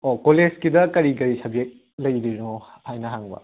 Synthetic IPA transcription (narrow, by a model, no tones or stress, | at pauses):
okoled͡ʒkidɐkɐɾikɐɾisɐbek̚ | lɐjɾino | hajnɐɦaŋbɐ̰